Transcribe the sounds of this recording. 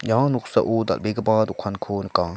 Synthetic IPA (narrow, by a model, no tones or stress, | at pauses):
jãnuksa̰ʔoːd̪a̰lbeɡɐbaːd̪ukʰankʰonka